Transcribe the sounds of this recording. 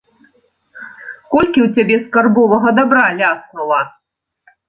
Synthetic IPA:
kɔlʲkʲiwt͡sʲabʲɛskarbɔvɐɣɐd̪abɾalʲasnulˠɐ

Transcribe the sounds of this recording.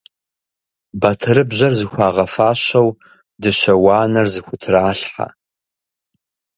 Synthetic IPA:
bɐtʰɨɾɨbʑɐrzɨxʷɑːʁɐfaːɕɐw | dɨʃɐwaːnɐrzɨxʷʊtʰɨraːɬħa̰

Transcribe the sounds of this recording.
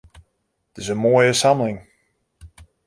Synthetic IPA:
tɪzənmojəsamlɪŋ

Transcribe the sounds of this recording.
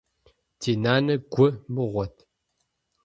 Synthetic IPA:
tʰeːnaːnɐɡʷʊmɨʁʷɔtʰ

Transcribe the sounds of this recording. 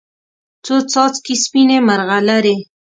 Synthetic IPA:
t͡sot͡sɑt͡skispinemaɾɣalaɾe

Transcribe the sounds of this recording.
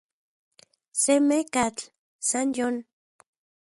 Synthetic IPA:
semekat͡ɬ | sanjon

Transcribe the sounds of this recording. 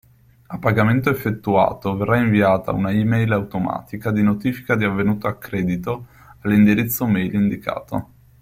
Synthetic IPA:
apːaɡament̪oefːet̪ːua̰ːt̪overːaiɱviaːt̪a̰ṵnaimɛjlawt̪oma̰ːt̪ikad̪inot̪iːfi̥kad̪iavːenuːt̪oakːɾɛːd̪it̪o | alːind̪iɾit̪sːomɛjlind̪ika̰ːt̪o̰

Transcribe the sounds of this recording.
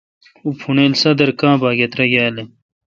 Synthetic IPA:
upʰuneːlsɐd̪ɐɾkãːbaːɡet̪ɾɐɡaːle

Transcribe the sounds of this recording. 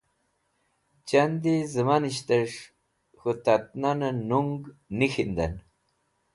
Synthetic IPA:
t͡ɕand̪izəmaniɕt̪əʂ | xut̪at̪̚nanənuŋɡnixind̪a̰n

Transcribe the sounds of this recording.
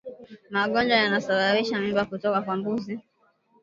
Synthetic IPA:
maɠɔnd͡ʒwajanasaɓaɾiʃamimbakutɔkakwambuzi

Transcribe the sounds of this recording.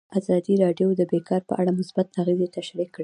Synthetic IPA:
azɑd̪iɾɑɖjod̪əbekɑɾpə̰ʔaɽamʊsbat̪aɣezet̪aʃɾikːɽi

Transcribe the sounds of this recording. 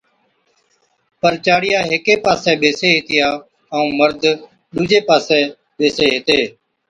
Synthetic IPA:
pəɾt͡ʃaːɽɪjaːɦeːkeːpaːsɛːɓeːseːɦɪt̪ɪjaː | əũːməɾd̪ʱ | ɗuːd͡ʒeːpaːsɛ̃ː | ɓeːseːɦet̪eː

